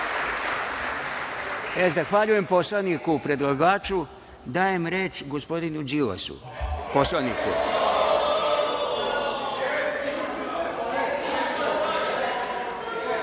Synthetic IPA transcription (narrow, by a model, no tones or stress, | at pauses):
ezaxʋaʎuje̞mpo̞slˠanikupɾe̞d̪lˠaɡaːt͡ʃu | d̪aːje̞mɾeːt͡ʃɡospo̞d̪inud͡ʒila̰sṵ | poslˠanḭkṵ